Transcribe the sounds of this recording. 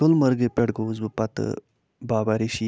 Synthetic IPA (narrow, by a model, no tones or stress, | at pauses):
ʊlmɐɾɡepʲeɽɡoːzbɨpɐt̪ɨ̰ | baːbaɾiʃi